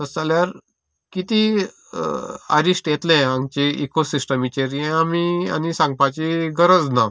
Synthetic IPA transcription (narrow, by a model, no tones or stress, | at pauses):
t̪əsaljaɾ | kit̪i | ə̰ɾisʈjet̪lɛ̃ãŋɡt͡ɕeʔḭkosisʈəmit͡ɕeɾiɛ̃amia̰nisãŋɡ̚pat͡ɕiɡəɾəd͡zna